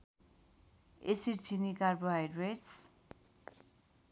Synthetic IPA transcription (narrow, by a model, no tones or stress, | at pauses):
esiɾt͡sʰinikarboɦajdreʈs